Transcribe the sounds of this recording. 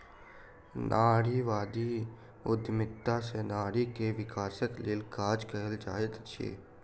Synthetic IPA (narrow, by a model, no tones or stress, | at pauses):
nʔaːɽiʋaːd̪i | ʊd̪mɪt̪ːasenaːɽikeʋɪkaːsəkleːlkaːd͡ʒkəɦəld͡ʒaːet̪t͡ʃʰḛː